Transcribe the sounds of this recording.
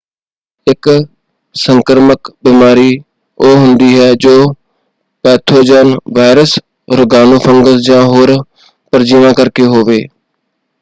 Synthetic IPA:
ɪk | sə̃ŋkəɾməkbiːmaːɾiː | oːɦʊ̃nd̪iːɦɛːd͡ʒoː | pɛːt̪ʰoːd͡ʒənʋaːɪɾəs | ɾʊɡaːnoːpʰə̃ŋɡəsd͡ʒãːɦoːɾ | pəɾd͡ʒiːʋãːkəɾkeɦoːʋeː

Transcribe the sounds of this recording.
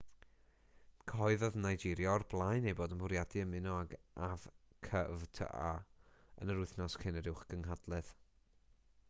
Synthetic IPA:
kʰɔɨðɔðnajd͡ʒɪɾjɔrblˠajnejboːdəmbʊɾjadɨəmɪnɔaɡavkʰəvtʰə̰ʔaə̰nəɾʊɨθnɔskʰɪnəɾɪwχɡ̥əŋɦadlˠɛð̥

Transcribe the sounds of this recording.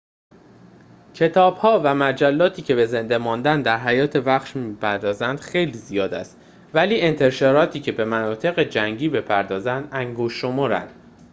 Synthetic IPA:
cʰe̞t̪ʰɒːb̥hɒːvæmæd͡ʒælːɒːt̪ʰiːcʰe̞be̞ze̞nd̪e̞mɒːnd̪ænd̪d̪æɾɦæjɒːt̪ʰe̞væxʃmiːpʰæɾd̪ɒːzænd̪̥xe̞jliːzijɒːd̪æ̰st̪ | væliːe̞nt̪ʰe̞ɾʃɒːɾɒːt̪ʰiːcʰe̞be̞mænɒːt̪ʰe̞ɣe̞d͡ʒæŋɟiːbe̞pʰæɾd̪ɒːzænd̪æŋɡoʃːo̞moːɾæ̰nd̪̥

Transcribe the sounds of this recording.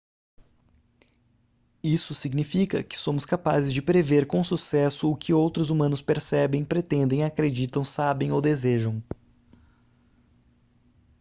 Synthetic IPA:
isʊsiɡnifikɐ̰kɪ̥sõmʊskapazɪzd͡ʒɪpɾeveɾkõsusɛsʊːkʰɪowt̪ɾʊzumɐ̃nʊspeɾsɛbẽj̃pɾet̪ẽnd̪ẽj̃akɾed͡ʒit̪ɐ̃w̃sabẽj̃owd̪ezeʒɐ̃w̃

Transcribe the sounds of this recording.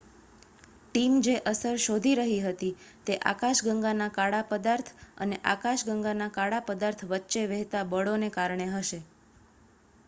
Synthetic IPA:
ʈimd͡ʒeʔəsəɾʃod̪ʱiɾəɦiɦət̪it̪eʔa̰kaʃɡəŋɡanakaɽapəd̪aɾt̪ʰə̰neʔakaʃɡəŋɡanakaɽapəd̪aɾt̪ʰʋətːʃeʋɛɦt̪abəɭonekaɾɳeɦəʃe

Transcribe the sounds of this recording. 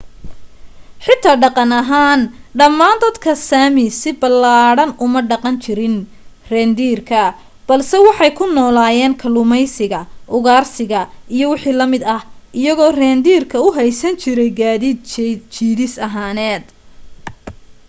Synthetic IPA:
ħɪt̪ʰːaːɖɑqɑnɐɦaːnɖɐmːaːnd̪ɐd̪kʰɐsaːmɪsɪbɐlaːɽɐnʊmɐɖɑqɑnt͡ʃʰɪɾɪn | rɛːnd̪iːrkʰɐ | b̥ɐlsɛwɑħɑjkʰʊnɔːlaːjɛːnkʰɐlʊmɛjsɪɣɐʔʊɣaːrsɪɣɐʔijɔwɑħiːlɐmɪd̪ɐhʔɪjɐɣɔːrɛːnd̪iːrkʰɐʊɦɛjsɐnt͡ʃʰɪɾɛjɡaːðiːd̪t͡ʃʰiːðɪsɐɦaːnɛːd̪

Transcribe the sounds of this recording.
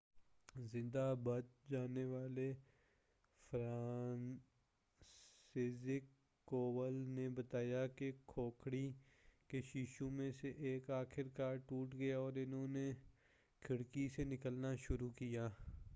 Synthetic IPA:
zɪ̃nd̪abɐt̪d͡ʒaːneʋaːle | fɾaːn | seːzɪkː | oːʋəlnebət̪aːjakekʰoːkʰɽi | keʃiʃũmẽseʔeːkaːxʰɪɾkaːɾʈuːʈɡɐjaɔːɾɪnɦõːne | kʰɪɽkisenɪkəlnaʃʊɾukijaː

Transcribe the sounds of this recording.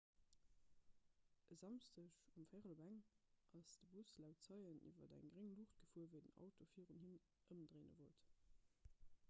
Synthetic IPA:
ʔəzɑmstəɕumfæʁəlbæŋʔɑsd̥əbuslæʊtt͡sɑɪənʔḭvɐdæ̰ŋɡʁeŋluχt̚ɡ̥əfuːɐvəɪdənɑ̰ʊtofiːʁunhin | ʔəmdʁeːnə̰vo̰lt

